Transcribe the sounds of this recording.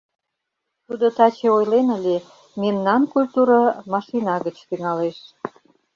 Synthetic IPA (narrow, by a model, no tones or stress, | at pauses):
t̪ud̪ot̪ɑt͡ɕeojlenə̆lʲe | memnɑnkulʲt̪uɾɑmɑʃinɑɣət͡ɕt̪yŋɑleʃ